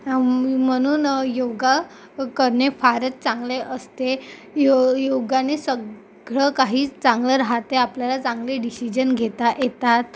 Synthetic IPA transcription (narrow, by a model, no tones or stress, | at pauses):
m̤əɽ̃uːnjoɡa | kəɾɳefaɾət̪̚t͡sãŋɡleʔəst̪e | jjoɡanesə | ɡɭəkaɦiːt͡sãŋɡləɾaɦat̪eapljalat͡sãŋɡleɖisid͡ʑənɡʱet̪aʔjet̪at̪̚